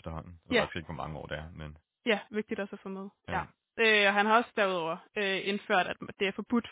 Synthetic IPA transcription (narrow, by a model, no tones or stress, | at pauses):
fd̥ɐhɒ̽n̰n̩sɡ̥eɡ̥ʋɒmɑ̈ŋəɒ̰ːd̥eæɐmen | jæʋe̝ɡ̥d̥id̥æsɒfɔmeðˠjæ | ʔøɒ̽ɦænhɑ̈ɒ̽səd̥æɐuð̞ˠɒʊ̰ɐøe̝nføɐ̰ɾ̥æd̥d̥e̝æɐfɒ̽b̥ud̥